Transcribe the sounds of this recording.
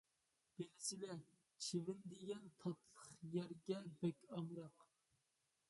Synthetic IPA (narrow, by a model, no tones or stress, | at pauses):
b̥elɪsɪlɛ | t͡ʃʰemɪnd̪eɡʲɛnt̪ʰɑt̪ʰlˠəχjæɾɡʲɛbɛkʲɑmɾɑq